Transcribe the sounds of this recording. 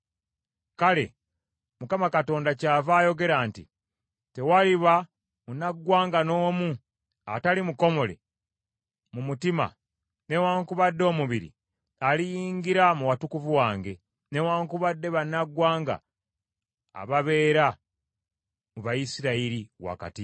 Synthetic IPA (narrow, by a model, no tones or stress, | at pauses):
kale̞̰ | mukamakato̞ːndacavaːjo̞ɡe̞ɾaːntḭ | te̞waliβa | munaɡwaːŋɡano̞ːmu | a̰talimuko̞mo̞le̞̰ | mumutima̰ | ne̞waːŋkuβadːo̞ːmuβiɾḭ | alijiːŋɡiɾamuwatukuvuwaːŋɡe̞ | newaːŋkuβadːe̞βanaɡwaːŋɡa̰ | βaβe̞ːɾa | muβajisiɾaiɾiwa̰ka̰ti